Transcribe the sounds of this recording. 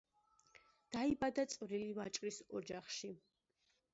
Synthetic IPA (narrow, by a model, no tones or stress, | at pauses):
d̪̥aibad̪at̪sʼvɾilivat͡ʃʼɾisɔd͡ʒaχʃi